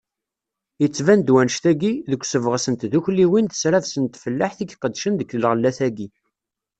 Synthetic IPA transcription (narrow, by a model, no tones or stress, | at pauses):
jət͡sːvænd̪wænʃt̪æɡiðəkʷːsəvʁsənt̪ðuçliwind̪əsɾavsənt̪fəlːaħθiçqəd̪ːʃənd̪əkəlʁəlːæθæɡi